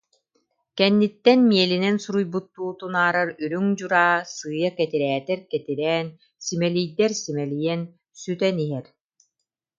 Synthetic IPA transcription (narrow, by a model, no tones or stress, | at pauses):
kɛnːit̪ːɛnmiɛlinɛnsuɾujbut̪ːuːt̪unaːɾaɾyɾyŋd͡ʑuɾaːsɯːjakɛt̪iɾɛːt̪ɛɾkɛt̪iɾɛːn | simɛlijd̪ɛɾsimɛlijɛn | syt̪ɛniɦɛɾ